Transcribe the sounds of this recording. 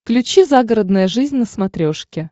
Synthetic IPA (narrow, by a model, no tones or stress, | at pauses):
klʲʉt͡ɕizaɡəɾəd̪nəjəʐɨzʲnʲnəsmɐt̪ɾʲo̞ʂkʲɪ